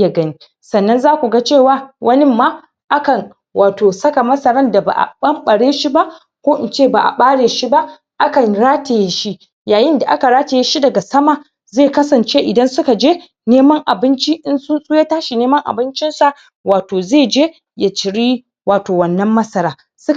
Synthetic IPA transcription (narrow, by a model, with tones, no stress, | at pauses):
ja˨ɡɐ˦ni˦ | sɐ˨nːɐ˦nzaː˦kʷu˨ɡa˦t͡ʃeː˦˨waː˦wʔɐ˦nɪ˦mːaː˦ | ʔa˦kɐ˨n | waː˨toː˨sɐ˦ka˨mɐ˦sɐ˦ɾɐ˦nda˨ba̰˨ʔa̰˨ɓɐ˦mɓɐ˨ɽeː˦ʃi˦ba˦ʔ | kʷoː˦ʔɪ̰˨nt͡ʃeː˦˨ba˨ʔa̰˨ɓaː˦ɽeː˨ʃi˦ba˦ʔ | ʔa˦kɐ˨nɾaː˦te˨jeː˦ʃi˦ | jaː˨jɪ˦nda˨ʔa˦ka˨ɾaː˦te˨je˦ʃi˦dɐ˨ɡa˨sɐ˦maː˨ | zeː˦˨kɐ˦sɐ˨nt͡ʃe˦ʔɪ˨dɐ˦nsʊ˦ka˨d͡ʒeː˦ | neː˦mɐ˦ŋʔa˨bɪ˦nt͡ʃi˦ʔɪ˦nsʊ˦nsʼʊ˦je˦taː˦ʃi˨neː˦mɐ˦ŋʔa̰˨bɪ˦nt͡ʃɪ˦nsa˨ | waː˨toː˨zeː˦˨d͡ʒeː˦ | ja˨t͡ʃɪ˨ɽiː˦ | waː˨toː˨wɐ˨nːɐ˦mːɐ˦sɐ˦ɾaː˦ | sʊ˦k